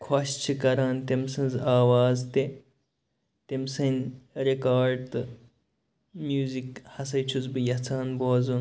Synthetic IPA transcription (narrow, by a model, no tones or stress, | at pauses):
kʰoɕt͡ʃʰikɐɾaːnt̪emsɨ̃nzaːwaːzt̪e | t̪emsɐnɾekaːɾɖ̚t̪ɨ | mjuːzikhɐsɐjt͡ʃʰuzbɨjɐt͡sʰaːnboːzun